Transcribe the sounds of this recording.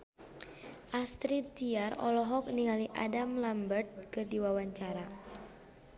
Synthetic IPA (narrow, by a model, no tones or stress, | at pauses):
ʔast̪ɾiiarɔ̰lɔɦɔk̚niŋaliʔadamlambərt̪̚kɨrdiwawaɲt͡ʃaɾa